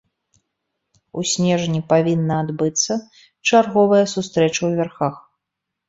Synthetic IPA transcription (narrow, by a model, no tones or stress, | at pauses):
usʲnʲɛʐnʲipavʲinːɐad̪bɨt̪sːɐ | t͡ʂarɣɔvɐjɐsust̪ɾɛt͡ʂɐwvʲɛrxax